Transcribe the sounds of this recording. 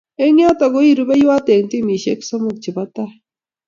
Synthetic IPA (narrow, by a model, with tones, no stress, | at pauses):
e˦ŋja˦t̪a˨ɣo˦i˦ɾu˦βe˦jwa˦t̪e˨ŋt̪i˦mi˨ʃe˦kso˦mu˨k̚t͡ʃi˨βa˦t̪a˦